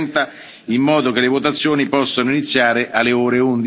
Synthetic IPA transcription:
nt̪a | imːɔːd̪ok̟elevot̪at̪sːjoːnipɔsːanoinit̪sːjaːɾeʔalːeoːɾeund̪i

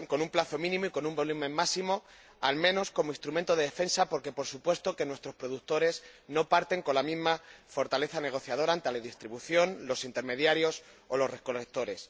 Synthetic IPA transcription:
ŋko̞numplaθo̞mĩnĩmoikonũmbo̞lumẽ̞mːasimo̞ | almẽ̞no̞sko̞moist̪ɾument̪oðe̞ðe̞fensapo̞ɾke̞po̞ɾsupwe̞st̪o̞ke̞nwe̞st̪ɾo̞spɾo̞ðukt̪o̞ɾe̞sno̞paɾt̪e̞ŋko̞nlamizmafo̞ɾt̪ale̞θane̞ɣ̞o̞θjaðo̞ɾant̪eleðist̪ɾiβuθjo̞nlo̞sint̪e̞ɾme̞ðjaɾjo̞s | olo̞sreko̞lek̚t̪o̞ɾe̞s

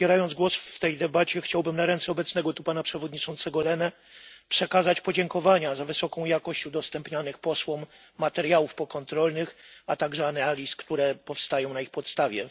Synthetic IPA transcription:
jɛɾajɔndzɡwɔsft̪ɛjd̪ɛbat͡ɕɛxt͡ɕawbɘmnaɾɛnt̪sɛɔbɛt̪snɛɡɔt̪upanapʂɛvɔd̪ɲit͡ʂɔnt̪sɛɡɔlɛnɛ | pʂɛkazat͡ɕpɔd͡ʑɛŋkɔvaɲazavɘsɔkɔ̃w̃jakɔɕt͡ɕud̪ɔst̪ɛmpɲanɘxpɔswɔmː | at̪ɛɾjawufpɔkɔnt̪ɾɔlnɘxat̪aɡʐɛanalʲiskt̪uɾɛpɔfst̪ajɔ̃w̃naixpɔt̪st̪avʲjɛ

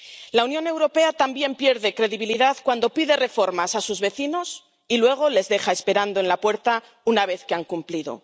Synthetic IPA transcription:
launjo̞ne̞wɾo̞pe̞at̪ambje̞mpje̞ɾðe̞kɾe̞ðiβ̞iliðaðkwand̪o̞piðe̞re̞fo̞ɾmasasuzβe̞θino̞s | ilwe̞ɣ̞o̞le̞zðe̞xae̞spe̞ɾand̪oe̞nlapwe̞ɾt̪a | unaβ̞e̞θkeaŋkumpliðo̞̰

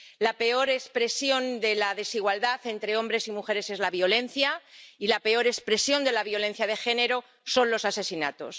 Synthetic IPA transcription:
lape̞o̞ɾe̞spɾe̞sjo̞nd̪e̞laðe̞siɣwald̪aθe̞nt̪ɾe̞o̞mbɾe̞simuxe̞ɾe̞se̞zlaβjo̞le̞n̟θjailape̞o̞ɾe̞spɾe̞sjo̞nd̪e̞laβjo̞lẽ̞n̟θjaðe̞xe̞ne̞ɾo̞ | so̞nlo̞sase̞sinat̪o̞̰s

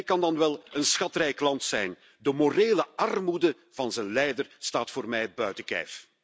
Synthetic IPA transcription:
kɑndɑnʋɛlˠənsxɑtrɛjklɑntsɛjn | dəmoreːləɑrmudə | v̥ɑnzənlɛjdərstaːtfoːrmɛjbœɥtəkɛ̰jf

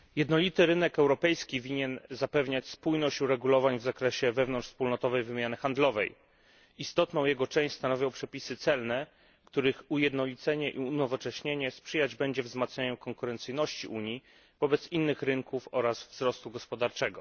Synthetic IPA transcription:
jɛd̪nɔlʲit̪ɘɾɘnɛkɛwɾɔpɛjskʲivʲiɲɛnzapɛvɲat͡ɕspujnɔɕt͡ɕuɾɛɡulɔvaɲvzakɾɛɕɛvɛvnɔnt͡ʂfspulnɔt̪ɔvɛjvɘmʲjanɘxand̪lɔvɛj | ist̪ɔt̪nɔ̃w̃jɛɡɔt͡ʂɛ̃w̃ɕʲst̪anɔvʲjɔ̃w̃pʂɛpʲisɘt̪sɛlnɛ | kt̪uɾɘxujɛd̪nɔlʲit̪sɛɲɛʔiunɔvɔt͡ʂɛɕɲeɲɛspʂɘjad͡ʑbɛɲd͡ʑɛvzmat̪sɲaɲɛmkɔŋkuɾɛnt̪sɘjnɔɕt͡ɕiʔuɲji | v̥ɔbɛt̪sinːɘxɾɘŋkufɔɾasvzɾɔst̪uɡɔspɔd̪aɾt͡ʂɛɡɔ

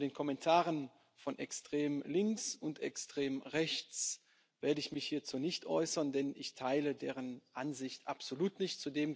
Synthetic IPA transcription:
deːnkʰɔmɛntʰaːʁən | fɔnʔɛkstʁ̥eːmlɪŋksʊntɛ̰kstʁ̥eːmʁɛçt͡s | v̥eːɐdəɪçmɪçhiːɐt͡sunɪçtʔɔʏsɐndɛnɪçtʰaɪlədeːʁ̞ənʔanzɪçtʔapz̥oluːtnɪçtt͡sudeːm

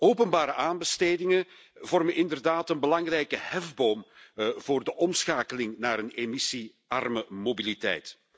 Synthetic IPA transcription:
oːpənbaːɾəʔaːnbəsteːdɪŋə | vɔrmənʔɪndərdaːtənbəlɑŋrɛjkəhɛvboːmv̥oːrdəʔɔmsxaːkəlɪŋnaːɾənemisi | ɑ̰rməmobilitɛ̰jt

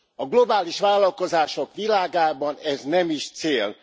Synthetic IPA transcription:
ɒɡlo̞baːliʃʋaːlːɒlko̞zaːʃo̞kʋilaːɡaːbɒnɛznɛmiʃt̪seːl

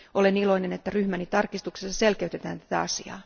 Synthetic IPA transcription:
ʔo̞le̞nilo̞ine̞net̪ːæryhmænit̪ɑrkist̪uksesːɑselkeyt̪et̪æːnt̪æt̪æɑsiɑ̰ː

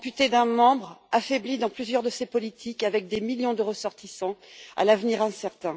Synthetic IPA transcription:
pyt̪ed̪ɛ̃mɑ̃bʁafɛblid̪ɑ̃plyzjœʁd̪əsepɔlit̪ʰikavɛk̚d̪emiljɔ̃d̪əʁəsɔʁt̪ʰisɑ̃a̰lavniʁɛ̃sɛʁt̪ɛ̃

